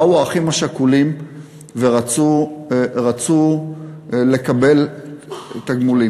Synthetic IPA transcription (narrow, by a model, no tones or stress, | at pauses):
auaχimaʃakulim | veʁat͡su | ʁat͡su | le̞kabe̞l | et̪aɡmuli